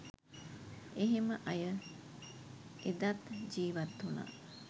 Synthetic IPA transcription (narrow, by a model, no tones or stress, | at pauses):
eɦeməʔɐjə | ed̪at̪d͡ʒiːʋɐt̪ːuna̰